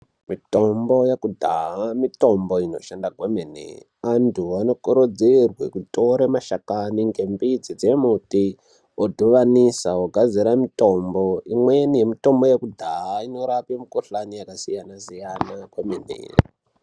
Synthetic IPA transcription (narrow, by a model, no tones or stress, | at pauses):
mito̞mbo̞jekudʱa̰amito̞mbo̞inoʃandaɡwemenḛ | antʰuano̞kuɾod͡zirwḛkutoɾemaʃakaniŋɡe̞mbid͡zid͡zemuti | odʱuʋanisaoɡʱad͡ziɾamito̞mbo̞imwenije̞mito̞mbo̞jekudʱaaino̞ɾapemukoɬanijakasijanasijanaɡwemenḛr